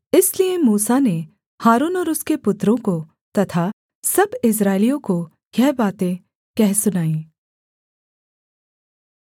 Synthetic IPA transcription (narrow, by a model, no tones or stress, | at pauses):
ɪsliemuːsane | haːɾuːnɔːɾʊskepʊt̪ɾõko | t̪ɐt̪ʰa | sɐbɪs̬ɾaːɪlijõko | ɡɛɦbaːt̪ẽ | kɛɦsʊnaːĩː